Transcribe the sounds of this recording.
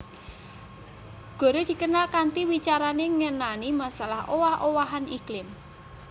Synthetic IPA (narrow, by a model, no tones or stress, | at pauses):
ɡ̥o̤ɾed̪̥i̤kənalkant̪iwit͡ʃaɾaneŋənanimasalahowahʔowaɦaniklɪm